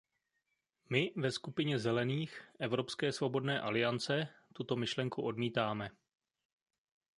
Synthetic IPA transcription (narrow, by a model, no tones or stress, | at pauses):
mɪvɛskupɪɲɛzɛlɛniːxʔɛvɾo̞pskɛːsvo̞bo̞dnɛːʔalɪjant͡sɛt̪ut̪o̞mɪʃlɛŋkuʔo̞dmiːt̪aːmɛ